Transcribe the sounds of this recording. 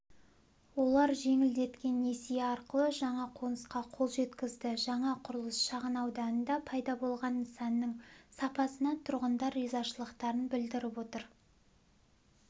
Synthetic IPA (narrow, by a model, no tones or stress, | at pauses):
wo̞lˠɑɾʒe̞ŋɪld̪e̞t̪kʲe̞nːesijeɑɾqəlˠəʒɑɴɑqʰo̞nəsqɑqʰo̞lˠʒe̞t̪kʲɪzd̪ɪʒɑɴɑqʰʊɾəlˠəsʃɑʁənɑwd̪ɑnənd̪ɑpʰɑjd̪ɑbo̞lˠʁɑnsɑnːəŋsɑpɑsənɑt̪ʰʊɾʁənd̪ɑɾizɑʃəlˠəqt̪ɑɾənbɪld̪ɪɾɪpwo̞t̪əɾ